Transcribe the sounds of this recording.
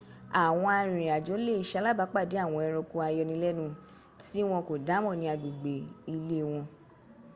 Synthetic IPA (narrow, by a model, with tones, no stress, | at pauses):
a˨w̃ɔ̃˧a˧ɾ̃ĩ˨a˨d͡ʒo˨˦le˦˨i˨ʃa˧˦la˦˨ba˨˦k͡pa˦˨de˨˦a˦˨w̃ɔ̃˧ɛ˧ɾ̃ɔ˧ko˧˦a˧jɔ˧nĩ˧˦lɛ˦nũ˧˦ | ti˦w̃ɔ̃˧ko˨da˨˦mɔ̃˦˨nĩ˧˦a˧ɡ͡bu˨ɡ͡be˨i˧le˦˧w̃ɔ̃˧